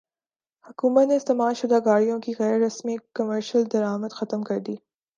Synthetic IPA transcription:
hʊkuːmət̪nest̪ɐmaːmʃʊd̪aɡaːɽijõkiɣɛːɾːɐsmikɐməɾʃəld̪ɐɾaːmət̪xɐt̪əmkɐɾd̪iː

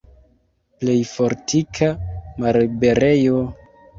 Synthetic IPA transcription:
ple̞jfo̞ɾtʰikʰamalbe̞ɾejo

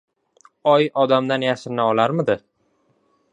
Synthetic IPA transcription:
ɒjɒd̪amd̪anjaʃɪnːaɒlaɾmɪd̪ɪ

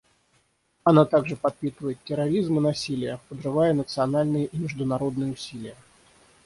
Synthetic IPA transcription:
ɐnat̪aɡʐɨpɐt̪̚pʲit̪əvəjɪt̪ʲtʲːɪɾɐɾʲizmɨnɐsʲilʲɪjəpəd̪ʐɨvajənət̪sɨɐnalʲnɨjəʔimʲɪʐd̪ʊnɐɾod̪nɨjəʊsʲilʲɪjə

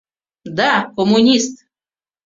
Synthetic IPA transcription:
d̪akomunʲist̪

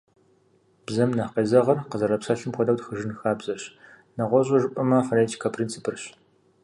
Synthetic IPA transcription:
b̥zɐmnɐqeːzɐʁɐrqəzɐɾɐpsɐɕɪmxʷɔdɐwtxəʒɨnxaːbzɐɕ | nɐʁʷɔʑʼɐʒɨpʼɐmɐfɐnetʰi̥kʰɐpʰrint͡sʰipʰɨrɕ

